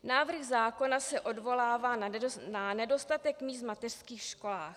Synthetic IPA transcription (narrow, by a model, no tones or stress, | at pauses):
naːvr̩ɣzaːko̞nasɛʔo̞dvo̞laːvaːnanɛdo̞st̪at̪ɛkmiːst̪mat̪ɛr̝̥skiːxʃko̞laːx